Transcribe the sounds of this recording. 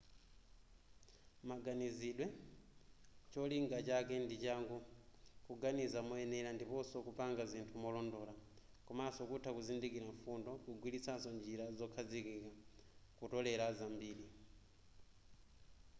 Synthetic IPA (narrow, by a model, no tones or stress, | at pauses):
maɡaniziɗwɛ | t͡ʃɔliŋɡat͡ʃakɛndit͡ʃaŋɡukuɡanizamɔɛnɛɾandipɔsɔkupaŋɡazintʰumɔlɔndɔːla | kɔmasɔkutʰakuzindikiɾaɱfundɔkuɡwilisasɔnd͡ʒiɾazɔkʰazikikakutɔlɛɾazambiːɗi